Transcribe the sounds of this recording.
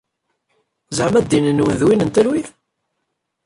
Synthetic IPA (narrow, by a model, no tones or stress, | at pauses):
zʕmæd̪ːinənwənðwinənt̪ælwið